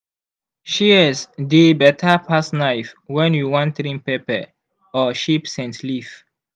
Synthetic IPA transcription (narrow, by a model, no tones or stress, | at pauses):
ʃiɛsdebɛtʰapʰasnajfwɛ̃njuwɔ̃ntɾĩmpepɛ | ɔʃipsɛ̃ntlif